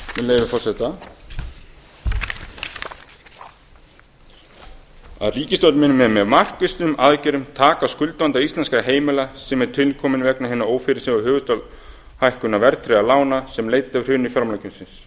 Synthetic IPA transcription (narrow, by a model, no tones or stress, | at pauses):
mɪleːjvɪfɔr̥sɛt̪a | a̰ðriːcɪst̪ɔwt̪mɪnʏmɛðmɛðmar̥kɪst̪ʏmʔaðcɪɾʏmt̪ʰaːkaskʏlt̪vant̪aist̪lɛnskɾaɦeːjmɪlasɛmɛɾt̪ʰɪlkʰɔːmɪnvɛknaɦɪnːaoːwfɪɾɪsɪvʏhɦʏːɣʏst̪ɔl | hajhkʏnavɛɾt̪ʰɾɛalaːwnasɛmleːjt̪aɾ̥hʏnːifjɔɾmlajcʏnsɪns